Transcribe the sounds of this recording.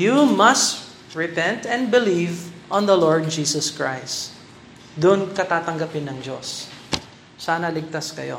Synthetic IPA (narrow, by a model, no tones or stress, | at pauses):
jumɐst̪ | ɹɛpɛ̃nt̪ɛ̃n̚bɪlivʔɔ̃nd̪ɐloɹd̪̚d͡ʒiːsɐskɹa̰js | d̪ʊʔnkɐt̪aːt̪ɐŋɡɐpɪnɐŋd͡ʒo̰sː | aːnɐlɪɡ̚t̪askɐ̰jo̞̰